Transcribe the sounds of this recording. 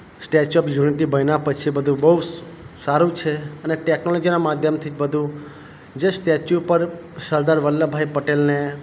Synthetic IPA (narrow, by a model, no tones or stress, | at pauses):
sʈet͡ʃɔpjuniʈibʱəjnapət͡ʃʰibəd̪ʱũbəɦu | saɾũt͡ʃʰeəneʈeknolɔd͡ʒinamad̪ʱjəmt̪ʰid͡ʒbəd̪ʱũ | d͡ʒesʈet͡ʃjupəɾ | ʃəɾd̪aɾʋəlːəbʱaipəʈelne